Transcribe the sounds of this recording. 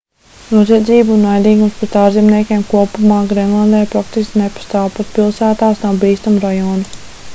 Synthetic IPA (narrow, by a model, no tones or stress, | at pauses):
nuɔziɛd̪ziːbunajd̪iːɡumspɾɛt̪aːʒzimniɛkʲeːmkuɔpumɑːɡɾenlˠand̪ɛːjpɾak̚t̪iskʲinepḁst̪aːwpat̪̚pilˠsæːt̪aːsnawbiːst̪amuɾajɔːnu